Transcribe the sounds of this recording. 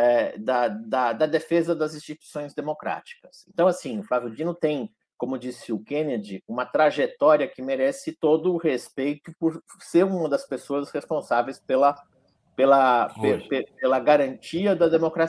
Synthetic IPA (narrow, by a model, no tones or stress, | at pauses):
ɛd̪ɐd̪ɐd̪ɐd̪efezɐd̪ɐzĩst͡ʃit̪ui̥sõj̃zd̪emokɾa̰t͡ʃi̥kɐsẽnt̪ɐ̃w̃asĩʊfɾavʊd͡ʒĩnʊt̪ẽj̃ | kõmʊd͡ʒisɪʊkẽned͡ʒɪũmɐt̪ɾaʒet̪ɔɾiɐkɪmeɾɛsɪt̪od̪ʊhespejt̪ʊpʊɾ | seɾũmɐd̪ɐspesoɐshespõsavejspelɐ | pelɐpepepelɐɡaɾɐ̃nt͡ʃiɐd̪ɐd̪emokɾa